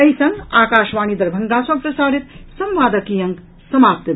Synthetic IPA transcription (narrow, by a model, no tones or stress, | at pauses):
ɐɦisɐŋɡaːkaːʃʋaːnid̪ɐɾbʱɐŋɡaːsɐpɾɐsaːɾit̪sɐmʋaːd̪ɐkijɐŋk | sɐmaːp̚t̪ɐ